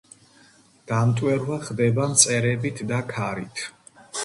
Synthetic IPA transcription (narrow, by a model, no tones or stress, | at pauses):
d̪̥amt̪ʼwɛɾvaχd̪ɛbamt̪sʼɛɾɛbit̪ʰd̪akʰaɾit̪ʰ